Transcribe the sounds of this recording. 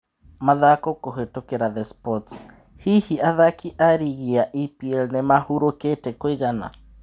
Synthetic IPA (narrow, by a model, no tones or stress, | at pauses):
maðakokoɦetokeɾaðɛspɔts | hihiaðakiʔaɾiɣiaʔipiɛlnemahuɾoketɛkoiɣana̰